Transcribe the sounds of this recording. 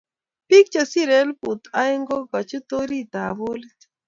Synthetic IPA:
pi˦k̚t͡ʃa˨si˦ɾɛ˨˦lpu˨t̪a˦jŋɡo˦ɡa˨t͡ʃu˦t̪o˦ɾi˦t̪a˨βo˦li˦t

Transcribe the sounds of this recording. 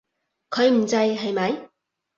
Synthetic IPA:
kʰɵ˨˧ɥm̩˨˩t͡sɐ˧jɦɐ˨jmɐ˨˧˥j

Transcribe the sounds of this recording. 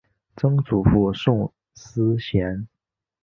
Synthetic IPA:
t͡sɤ˥ŋt͡su˨˩fu˥˧ʂʊ˥˧˩ŋ | s̩˥ɕjɛ˧˥n

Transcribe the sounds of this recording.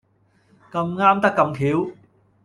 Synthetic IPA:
kɐ˧mŋaː˥mt̪ɐ˥kːɐ˧mkʰiː˨˥w

